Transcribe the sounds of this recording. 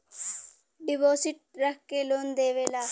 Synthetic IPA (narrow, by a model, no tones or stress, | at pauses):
ɖiboːsiʈ̚ɾɐkkːeloːnd̪eːʋelaː